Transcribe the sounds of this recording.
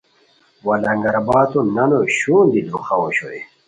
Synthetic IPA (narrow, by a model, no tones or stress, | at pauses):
wɐlɐŋɡɐɾbaːt̪onɐnoɕuːnd̪id̪uxɐwoɕoe